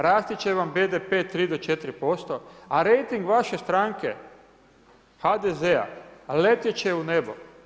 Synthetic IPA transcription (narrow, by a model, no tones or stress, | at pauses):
ɾaːst̪it͡ɕeʋambed̪epet̪ɾiːd̪ot͡ʃet̪ɾipo̞st̪o̞aɾejt̪iŋɡʋaʃe̞st̪ɾaŋke | xad̪ezea̰let̪jet͡ɕeunebo̰